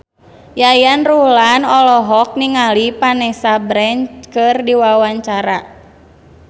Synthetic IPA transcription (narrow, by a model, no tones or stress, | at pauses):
jajanrulanɔlɔɦɔk̚niŋalipanɛsabɾɛɲt͡ʃkɨrdiwawaɲt͡ʃaɾa